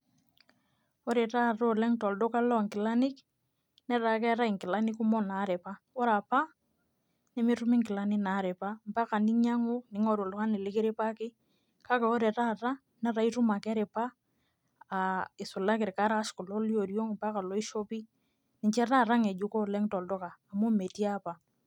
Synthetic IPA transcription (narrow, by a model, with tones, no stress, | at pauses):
o˦ɾe˨ta˦ɾo˦lɛ˦ŋtɔ˨ldo˦ka˦lɔ˦˨ŋkɪ˨la˦nɪ˦k | nɛ˦ɾa˨kɛ˦ɾa˦i˨ŋkɪ˨la˦nɪ˦ku˦mɔ˦na˨˦ɾɛ˨pa˦ | ɔ˦ɾa˨pa˦ | nɛ˦mɪ˦tu˦mɪ˦ŋkɪ˨la˨˦nɪ˦na˨˦ɾe˨pa˦m̩˨pa˦ka˨ni˦ɲa˦ŋʊ˦nɪ˨˦ŋɔ˦˨ɾo˨lʊ˨˦ka˦nɪ˨lɪ˦kɪ˦ɾɪ˦pa˦kɪ˦ | ka˦kɛ˨o˦ɾɛ˨ɾa˦˨ɾa˦ | nɛ˦ɾa˨˦i˦tu˦ma˨kɛ˦ɾɪ˨paː˦˨ | ɪ˨sʊ˨la˦kɪ˨ɾka˦ɾa˦ʃkʊ˨lɔ˦li˦o˨ɾjo˦ŋmpa˦ka˨lɔ˦i˦ʃo˦pi˦ | nɪ˨ɲt͡ʃɛ˦ɾa˦˨ɾa˦ŋɛ˨d͡ʒu˦ko˦˨lɛ˦ŋtɔ˨ldo˦kaː˨mo˦me˨ti˦a˦pa˨